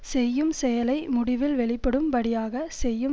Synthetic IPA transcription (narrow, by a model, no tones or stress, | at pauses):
sɛjːɯmsɛjɐlɐɪmʊɽɪʋɪlʋɛɭɪpːɐɽɯmpɐɽɪjaːɣɐsɛjːɯ